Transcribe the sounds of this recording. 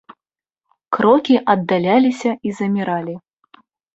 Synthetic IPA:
kɾɔkʲiʔɐd̪ːalʲalʲisʲɐizɐmʲiɾalʲi

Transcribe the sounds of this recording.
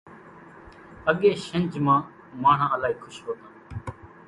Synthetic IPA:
əɠeːʃənd͡ʒmãː | mãːɳ̤ãːəlaːiːkʰʊʃɦoːt̪ãː

